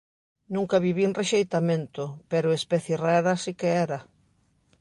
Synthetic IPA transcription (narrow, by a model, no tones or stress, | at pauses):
nũŋkɐβiβinreʃejt̪amẽnt̪ʊpɛɾʊespɛθjeraɾasikeɛɾa